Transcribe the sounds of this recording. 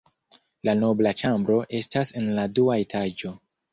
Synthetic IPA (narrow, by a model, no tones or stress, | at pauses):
lano̞blat͡ʃambɾo̞ʔe̞stase̞nladuae̞tʰad͡ʒo̞